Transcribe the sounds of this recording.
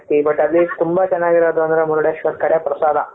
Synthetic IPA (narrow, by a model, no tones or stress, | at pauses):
t̪ibɐʈɐlːit̪umbat͡ʃɛnːaɡiɾad̪ʋɐnd̪ɾɐmuɾuɽjeʃʋɐt̪̚kɐɽjapɾɐsaːd̪a